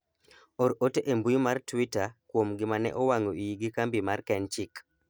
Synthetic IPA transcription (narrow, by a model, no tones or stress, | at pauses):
oɾoteʔembujomartwitakwomɡɪmanɛ̰ʔowaŋoʔijiɡikambimarkɛnt͡ʃik